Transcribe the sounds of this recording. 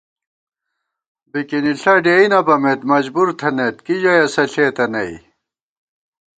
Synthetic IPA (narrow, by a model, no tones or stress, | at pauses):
bikiniɬɐɖeinɐbɐmet̪mɐd͡ʑbuɾt̪ʰɐnet̪kid͡ʑɐjɐsɐɬeːt̪ɐnɐ̰ḭ